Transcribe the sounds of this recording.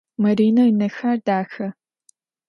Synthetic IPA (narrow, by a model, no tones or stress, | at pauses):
mɐɾiːnɐinɐxaːrdaːxɐ